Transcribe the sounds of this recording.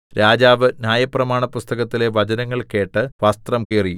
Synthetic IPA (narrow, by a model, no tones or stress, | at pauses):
ɾaːd͡ʑaːʋɨnʲjaːjɐprɐmaːɳɐpust̪ɐɣɐt̪ːile̞ʋɐd͡ʑɐnɐŋːɐɭke̞ːʈːɨʋɐst̪rɐmkiːriju